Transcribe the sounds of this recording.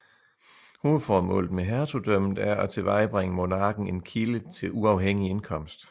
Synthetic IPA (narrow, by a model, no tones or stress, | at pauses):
ho̝ːð̩ˠfɒːmɔ̰̽ːld̩ˠmeɦæɐt͡sʰod̥øm̰d̥̩æɐæt͡sʰe̝ʋɑ̈ɪb̥ʁeŋəmo̝nɑ̈ːɡ̥n̩e̝nkʰilət͡sʰe̝lʔuɑ̈ʊɦeŋ̰ie̝nkʰɒ̽m̰sd̥